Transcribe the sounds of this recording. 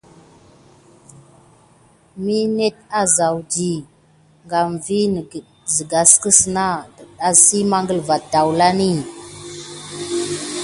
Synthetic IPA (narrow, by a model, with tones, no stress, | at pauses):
mi˦ne˦t̚a˦za˨wdi˨ | ŋɡa˨m˨vi˦n˨ | zi˨ɡa˨skə˦sna˦də˨ɗa˦si˦ma˦ŋɡə˦lva˨da˨wla˦ni˦